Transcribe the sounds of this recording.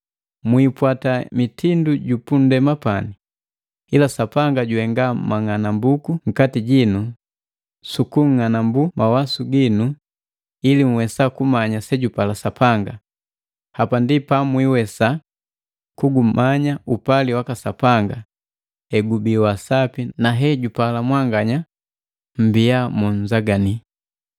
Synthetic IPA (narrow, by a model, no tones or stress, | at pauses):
mwipwatamitinduɟupundɛmapani | ilasapaŋɡaɟuɛŋɡamaŋanambukuŋ̩katiɟinu | sukuŋŋanambumawasuɡinu | ilimuwɛsakumaɲasɛɟupalasapʰaŋɡa | hapandipamwiwɛsa | kuɡum̩maɲaupaliwakasapaŋɡa | ɛɡubiwasapinaɦɛɟupalamwaŋɡaɲa | m̩bijamuɲ̩zaɡani